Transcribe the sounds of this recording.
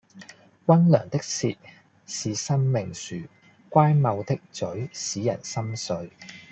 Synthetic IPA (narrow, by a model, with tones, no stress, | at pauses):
wɐ˥nlœ̰ː˨˩ŋt̪ɪ˥k̚siː˧t̚ | siː˨sɐ˥mmɪ˨ŋsyː˨ | kʷaː˥jmɐ˨˧wt̪ɪ˥k̚t͡sɵ˨˥ɥsiː˨˥jɐ̰˨˩nsɐ˥msɵ˨˧ɥ